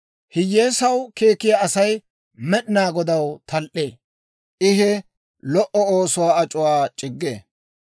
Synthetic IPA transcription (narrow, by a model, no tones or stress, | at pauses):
hɪjːeːsɐwke̞ːkːɪjaɐsɐj | mɛɗɪnaːɡɔd̪ɐwt̪ʰɐlʔḛː | ʔɪɦɛ | lɔʔɔoːsʊwaːɐt͡ʃʼʊwaːt͡ʃʼɪɡːḛː